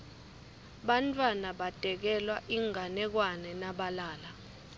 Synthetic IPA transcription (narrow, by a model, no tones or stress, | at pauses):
ɓantʼwanaɓad̥ʱɛk̬ɛlwaʔiŋanɛk̬wanɛnaɓalaːla